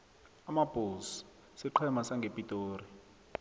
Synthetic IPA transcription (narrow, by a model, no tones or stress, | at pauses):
amab̥ʱols | siǃʰɛmasaŋɡʱepʼitʼoːri